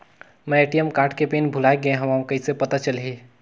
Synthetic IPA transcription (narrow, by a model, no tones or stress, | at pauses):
mɛ̃eʈijəmkaːɾʈkepenbʱʊlaeɡẽɦəmaw̃kəisepət̪at͡ʃəlɦi